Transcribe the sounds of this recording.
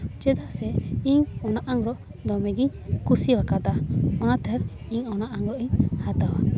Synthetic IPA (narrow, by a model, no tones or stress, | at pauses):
t͡ʃɛd̪aʔsɛiɲɔnaʔaŋɾɔʔ | d̪ɔmɛɡiɲ | kusiwakad̪aɔnat̪ʰɛɾ | iɲɔnaʔaŋɾɔʔiɲhat̪awa